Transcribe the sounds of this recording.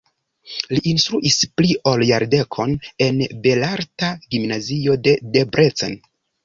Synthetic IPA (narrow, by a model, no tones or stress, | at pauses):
liʔinstɾuʔispliʔoljaɾde̞kʰo̞ne̞nbe̞laɾtaɡimnazio̞de̞de̞bɾet͡sḛn